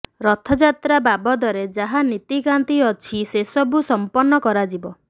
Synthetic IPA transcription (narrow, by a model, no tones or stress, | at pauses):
ɾɔt̪ʰɔd͡ʒat̪ɾababɔd̪ɔɾed͡ʒaɦanit̪ikant̪iɔt͡ʃʰisesɔbusɔmpɔnːɔkɔɾad͡ʒibɔ